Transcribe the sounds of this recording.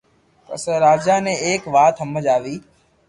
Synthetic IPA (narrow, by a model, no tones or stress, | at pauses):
p̪ə̰səɾaːd͡ʒaːnẽːeːkʋaːt̪ɦəməd͡ʒaːʋiː